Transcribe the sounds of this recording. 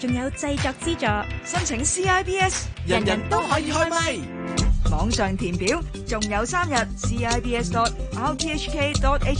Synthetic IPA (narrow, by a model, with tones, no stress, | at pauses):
t͡sʊ˨ŋjɐ˨˧wt͡sɐ˧jt͡sɔː˨˧k̚t͡siː˥t͡ʃɔː˨˧sɐ˥nt͡sʰɪ˨˥ŋsiː˥aː˥jpiː˥ɛː˥sjɐ˨ɐ˨˩njɐ˨˩nt̪o˥wɦɔː˨˥jiː˨˧hɔː˥jmɐ˧j | mɔː˨˥ŋsœː˨ŋt̪ʰiː˨˩npiː˨˥w | t͡sʊ˨ŋjɐ˨˧wsaː˥mjɐ˨t̚siː˥aː˥jpʰiː˥ɛː˥st̪ɔː˧t̚ʔaː˥wpʰiː˥ɛ˥t͡ʃkʰe˥t̪ɔː˧t̚ʔe˥t͡ʃ